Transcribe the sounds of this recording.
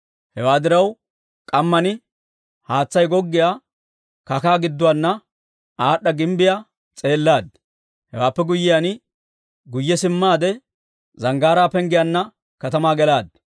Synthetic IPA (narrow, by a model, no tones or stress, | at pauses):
hɛwaːd̪ɪɾɐw | kʼɐmːɐnɪ | haːt͡sːɐjɡɔɡːɪjaː | kɐkaːɡɪd̪ːʊwaːnːɐ | aːɗːɐɡɪmbɪjaː | t͡sʼe̞ːlːaːd̪̚ | hɛwaːpːɛɡʊjːɪjanɪ | ɡʊjːɛsɪmːaːd̪ɛ | zɐŋɡaːɾaːpɛŋɡɪjanːɐ | kɐt̪ɐmaːɡɛlaːd̪̚